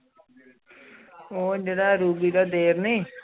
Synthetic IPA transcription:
oːd͡ʒeːɽaːɾuːbiːd̪aːd̪eːɾniː

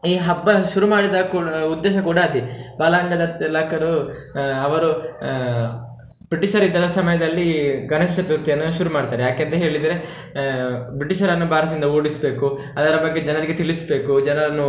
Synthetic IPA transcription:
iːɦɐbːɐʃuɾumaːɽid̪ɐkuːud̪ːeːʃɐkuːɽɐɐd̪ibaːlɐɐŋɡɐd̪ɐɾt̪laːkɐɾu | ɐʋɐɾu | bɾiʈiʃɐɾid̪ːɐdɐsɐmɐjɐd̪ɐlːiɡɐnɐʃiʃɐt̪uɾt̪ijɐnːuʃuɾumaːɽit̪aːɾejaːkeːnt̪ɐɦe̞ːɭid̪ɐɾe | bɾiʈiʃɐɾɐnːubʱaːɾɐt̪ind̪ɐoːɽisbe̞ːku | ɐd̪ɐɾɐbɐɡːed͡ʒɐnɐɾiɡet̪iɭisbe̞ːkud͡ʒɐnɐɾɐnːu

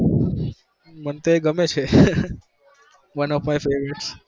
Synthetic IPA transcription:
mənt̪oeɡəmet͡ʃʰe | ʋʌnɔfmajfeʋɾeʈs

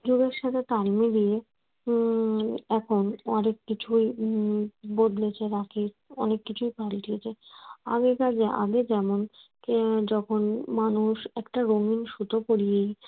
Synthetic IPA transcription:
d͡ʑuɡeɾʃat̪ʰet̪almid̪ije | ɛkʰonɔnekːit͡ɕʰuj | bod̪let͡ɕʰeɾaki | ɔnekːit͡ɕʰujpalʈiet͡ɕʰea̰ɡekad͡ʑeʔa̰ɡed͡ʑɛmonkd͡ʑɔkʰonmanuʃɛkʈaɾoŋinʃut̪opoɽijej

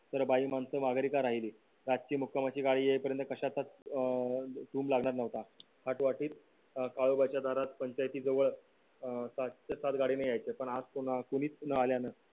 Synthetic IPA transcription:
t̪əɾbaimansəmaɡɾikaɾaɦiliː | ɾad͡zt͡ɕiːmukʰamat͡ɕiːɡaɽiːjepəɾjənt̪əkəɕat͡s̪ːat͡s̪ | ʈuːmlaɡɳ̃aɾnəʋt̪a | haʈʋaʈiːt̪ | kaɭobat͡ɕjad̪ʱaɾat̪pəɲt͡ɕajt̪iːd͡zəʋəɭ | sat͡ɕəsat̪ɡaɽiːnajajt͡sepəɳad͡zkun̤akuniːt͡snəaljanə

